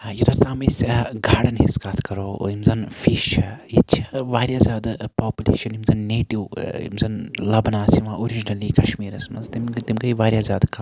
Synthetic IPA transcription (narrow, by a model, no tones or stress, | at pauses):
jut̪ɐɾt̪aːmisɡʱaːɽɐnhiskaːt̪ʰkɐɾo̰ːimzɐnfiʃɐjit͡ʃʰɐʋaːɾʲjaːzʲaːd̪paːpʲulḛːʃɐnimzɐnːeːʈiwḭmzɐnlɐbnaːsiʋãːoɾid͡ʒinɐliːkɐʃmiːɾɐsmɐ̰zt̪imt̪imkɐiʋaːɾʲjaːzʲaːd̪kɐ